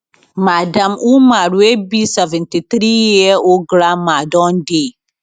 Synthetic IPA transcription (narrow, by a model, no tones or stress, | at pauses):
madamumaɾwebisɛvɛntit̪ɾijɛoɡɾamadɔnde